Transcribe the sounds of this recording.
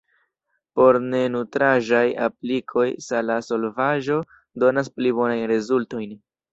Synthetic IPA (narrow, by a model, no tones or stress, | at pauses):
po̞ɾne̞nutɾaʒaja̰plikʰo̞jsalaso̞lvaʒo̞ | do̞nas̬plibo̞najnɾezulto̞jn